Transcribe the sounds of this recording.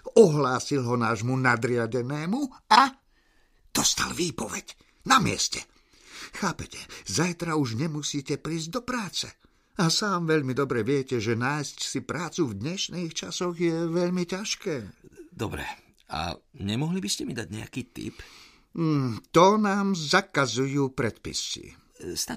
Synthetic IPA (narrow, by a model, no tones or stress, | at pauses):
ɔɦlaːsilɦɔnaːʒmunad̪ɾɪaɟɛnɛːmua | d̪̥ɔst̪a̰lʋiːpɔʋɛɟ | namɪɛ̰scɛ̥ | xaːpɛcɛ̥zajt̪ɾauʒɲɛmusiːcɛpɾiːzɟ̚d̪ɔpɾaːt͡sɛ | asaːmʋɛʎmid̪ɔbɾɛʋɪɛcɛʒɛnaːjscsipɾaːt͡suvd̪ɲɛʃniːxt͡ʃasɔɣjɛʋɛʎmicaʃkɛːd̪ɔbɾɛ̰ | a̰ɲɛmɔɦlibiscɛmid̪aɟɲɛ̰a̰kiːt̪ḭp | m̩t̪ɔnaːmzakazujuːpɾɛt̪pḭsḭ | st̪a